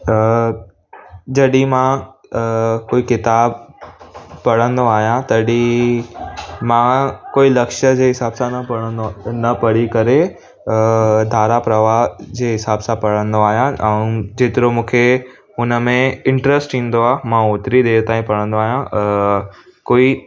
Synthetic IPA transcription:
ə | d͡ʑɐɗĩmã | koːikɪt̪aːb | pɐɽə̃nd̪oaːɦijãt̪ɐɗi | mãkoːilɐkʃəd͡ʑeːɦɪsaːbsãɽənɐpɐɽikɐɾe | d̪ʱaːɾapɾɐʋaɦd͡ʑeːɦɪsaːbsãpɐɽ̤ə̃nd̪oaːɦijãɛ̃d͡ʑeːt̪ɪɾomũːkʰe | ʊnə̆mẽɪ̃ɳʈɾəsʈĩːn̆d̪oaːmãoːt̪ɾid̪eːt̪aːĩpɐɽ̤ə̃nd̪oaːɦijã | koːi

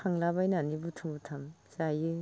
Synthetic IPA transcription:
aŋlabajnanibutʰɯbutʰam | zajɯ

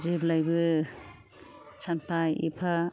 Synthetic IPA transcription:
zeblajbɯ | t͡ʃʰanpʰajḭpʰa

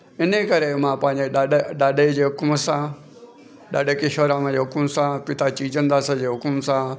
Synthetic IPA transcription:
ɪnəkɐɾemãːpãːɪ̃ɲd͡ʑeɗaːɗed͡ʑeːɦʊkʊmsã | ɗaːɗekɪʃoɾamãd͡ʑeɦʊkʊmsãpɪt̪at͡ɕiːd͡ʑə̃nd̪aːsãd͡ʑeːɦʊkʊmsã

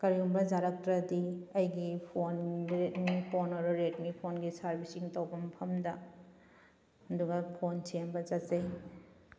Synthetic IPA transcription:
kɐɾiumbɐd͡ʒaɾɐk̚tɾɐdiɐjɡipʰonɾetmipʰonɐɾuɾetmipʰonɡisɐɾbʱisiŋtawbɐmpʰɐmdɐ | ɐduɡɐpʰonsembɐzɐtsɐj

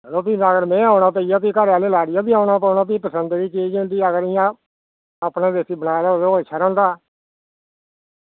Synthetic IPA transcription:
əloːpiːnaːɡəɾmɛ̃ːaːʊɳaːpəijaːp̬iːkəɾaːleːlaːɽɪjaːbiːaːnaːpəːnaːp̬iːpəsənd̪d̪iːt͡ʃiːd͡ʒɪ̃nd̪iːəɡəɾɪjã | aːpnẽːd̪eːsiːbənaːlaːloɪt͡ʃʰːaːɾɛ̃ːnd̪aː

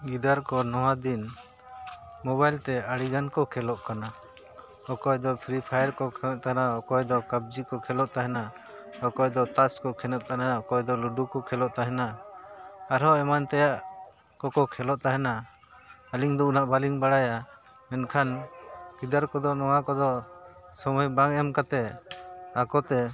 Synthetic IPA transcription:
ɡid̪aɾkɔnɔwad̪in | mɔβajlt̪ɛaɽiɡankɔkʰɛlɔʔkana | ɔkɔjd̪ɔpʰɾipʰajaɾkɔkʰɛnɛʔ̚t̪anaɔkɔjd̪ɔkab̚d͡ʒikɔkʰɛlɔʔt̪aɦɛna | hɔkɔjd̪ɔt̪askɔkʰɛnɛʔ̪̚t̪anaɔkɔjd̪ɔluɖukɔkʰɛlɔʔt̪aɦɛna | aɾɦɔɛmant̪ɛjaʔ | kɔkɔkʰɛlɔʔt̪aɦɛna | aliŋd̪ɔunaʔbaliŋbaɽaja | mɛnkʰankid̪aɾkɔd̪ɔnɔwakɔd̪ɔsɔmɔjbaŋɛmkat̪ɛ | akɔt̪ɛ

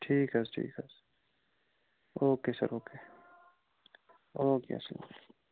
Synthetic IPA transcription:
ʈʰiːkɐsʈʰḭːkɐs | oːkeːsɐ̰ɾoːkeː | oːkḛːɐ̰sl

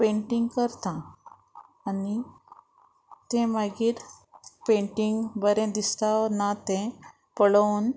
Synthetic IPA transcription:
pẽɳʈiŋɡkəɾt̪ãː | ni | t̪ɛ̃maɡiːɾpẽɳʈiŋɡbəɾẽd̪ist̪anat̪ɛ̃ | pəɭən

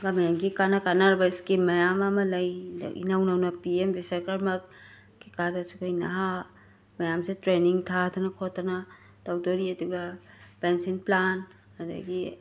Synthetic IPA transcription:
ɡamjamɡikanɐkanaɾbɐskimɐjamamɐlɐjda̰ḭnawnawnɐpiembisekaɾmɐk̚ | ɡikaɾdɐsukajnɐ̰ɦa | mɐjamsetɾeniŋtʰatʰanɐkʰotʰːɐnɐ | tawdoɾiɐduɡapensinplan | hɐdɐ̰ɡi

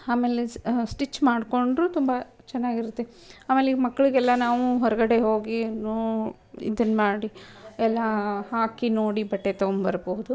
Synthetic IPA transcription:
aːmeːlesʈit͡ʃːmaːɖko̞ɳɖɾut̪umbɐ | t͡ʃɛnːaːɡiɾut̪ːe | aːme̞ːlemɐkːɐɭiɡɛlːɐnaːʋuɦɔɾɐɡɐɽe̞ɦoːɡinoː | ḭd̪ɐnːmaːɽiɛlːɐɦaːkinoːɽibɐʈːet̪ɐmbɐɾboɦud̪u

